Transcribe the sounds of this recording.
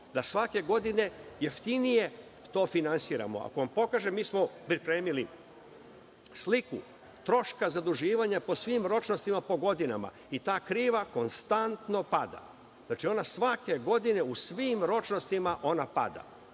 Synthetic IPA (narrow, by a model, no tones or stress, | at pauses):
d̪asʋake̞ɡo̞d̪ine̞jeft̪inije̞ | t̪o̞ːfinansiːɾa̰mo̞̰a̰koʋampo̞kaːʒemːiːsmo̞pɾipɾe̞ːmili | sliku | t̪ɾo̞ʃkazad̪uʒiːʋaɲapo̞sʋimɾo̞t͡ʃnost̪imapo̞ɡo̞d̪ina̰ma̰ | it̪aːkɾiːʋako̞nst̪ant̪no̞pad̪a̰ | znat͡ʃio̞nasʋake̞ɡo̞d̪ine̞usʋimɾo̞t͡ʃno̞st̪imaʔo̞napa̰d̪a̰